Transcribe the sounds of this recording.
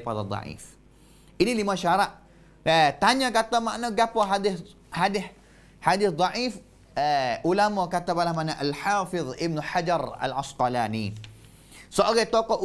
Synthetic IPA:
padad̪ˤɑ̰ʕḭf | ʔinilimaʃaɾaʔ | ət̪aɲãkat̪amaʔnoɡapɔɦadɪθ | hadɪh | hadɪθd̪ˤɑʕif | ʔulamɔkat̪abalahmaʔnaʔalħaːfɪðɪb̚nuħad͡ʒaɾa̰lʔasqalani | səʔoɡat̪okɔʔ

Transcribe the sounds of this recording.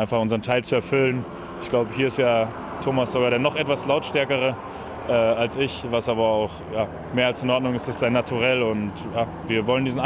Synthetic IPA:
ɪnfaχʔʊnzəʁəntʰaɪlt͡suɛɐfʏlən | ɪçɡ̥laʊbəɦiːɐɪstjaː | tʰoːmasz̥oɡaːɾeːɐnɔχʔɛtv̥aslaʊtʃtɛɐkəʁ̞ə | ʔɛːalsɪçvasʔaːbɐaʊχjaː | meːɐalsɪnʔɔɐdnʊŋɪstɪstz̥aɪnatʰuʁɛlʊntjaː | viːɐvɔləndiːzn̩a

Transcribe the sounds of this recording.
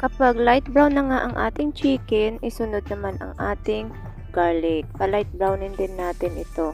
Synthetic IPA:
kɐpaɡlajt̪̚bɹawnːɐŋaʔɐŋʔa̰ːt̪ɪŋt͡ʃiːkɛnʔɪsʊnod̪̚nɐmanʔɐ̰ŋʔaːt̪ɪŋ | ɡ̥aːlɛk̚pɐlajt̪̚bɹawnɪnd̪ɪnːaːt̪ɪnʔɪ̰t̪o̞

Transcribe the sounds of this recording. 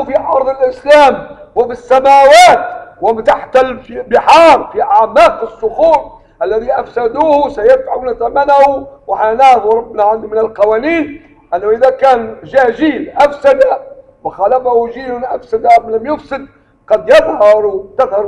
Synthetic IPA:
fiʔɑɾˤd̪ˤɪlʔɪslaːmwɪfisːamaːwaːt̪wɪmt̪aħt̪ɪlfibɪħɑːɾˤfiʔaʕmaːqɪsːʊxuːɾ | ʔalːaðiʔafsad̪uːhsajad̪faʕunat̪amanahʊwɪħanabɾˤɑbːnaʕand̪mɪnalqɑwaːniːn | ʔanːaʔɪðakaːnʒaʒiːlʔafsad̪a | mɪxalafahʊʒiːlʊnʔafsad̪amɪlɪmjʊfsɪd̪̚ | qɑd̪jɪðhɑɾˤt̪ɪðhɑɾ

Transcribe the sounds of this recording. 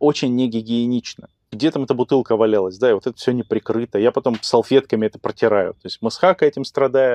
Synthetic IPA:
o̞t͡ɕɪnʲːɪɡʲɪɡʲɪɪnʲit͡ɕnə | ɡdʲe̞t̪amɛt̪əbʊt̪ɨlˠkəvɐlʲalˠəsʲd̪aɪvo̞t̪ɛt̪ə̥fsʲonʲɪpɾʲɪkɾɨt̪əjapɐt̪o̞msɐlˠfʲe̞t̪kəmʲɪɛt̪ə̥pɾətʲɪɾajʊ̰t̪o̞ɪsʲtʲmɨsxakɛtʲɪmst̪ɾɐd̪ajɪ

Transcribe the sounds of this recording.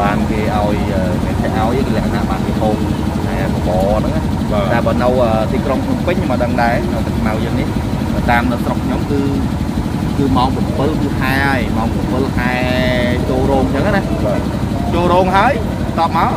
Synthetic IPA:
ɓaːnkeːʔaɔjʔəːmiənt̪ʰeʔaɔjʔəkːlɛəkʰana̰ʔɓaːnkepʰoːŋ | haɛkoɓɑːnɨŋah | ɓaɗaɛlɓaːnɨwʔəːt̪iːkroŋkʰɲompɨɲɲomʔəɗəŋɗaɛnɨwt̪ɨk̚ːʰmawjəːŋnih | nəːt̪aːmnɨwsrokʰɲomkɨː | kɨːmaɔŋpupɨlkɨhaɛəjmaɔŋpɔmpɨlhaɛt͡ɕoːlrɔːŋt͡ɕəŋʔajnahɓa | t͡ɕoːlrɔːŋɦaəj | t̪ɑːp̚maɔl

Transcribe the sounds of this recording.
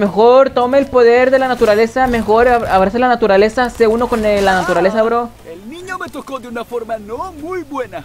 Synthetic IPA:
me̞xo̞ɾt̪o̞meːlpo̞ðe̞ɾðe̞lanat̪uɾale̞same̞xo̞ɾaβaβɾaselanat̪uɾale̞saseuno̞konlanat̪uɾale̞saβɾo | elniɲomet̪okod̪eunafoɾmanomujbwena

